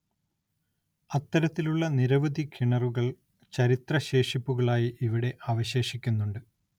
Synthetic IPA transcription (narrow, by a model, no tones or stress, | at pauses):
ɐt̪ːɐɾɐt̪ːiluɭːɐniɾɐʋɐd̪ikʰiɳɐruɣɐɭ | t͡ɕɐɾit̪rɐɕe̞ːʂipːuɣɐɭaːjiʔiʋiɽe̞ʔaːʋɐɕe̞ːʂikʲːunːuɳɖɨ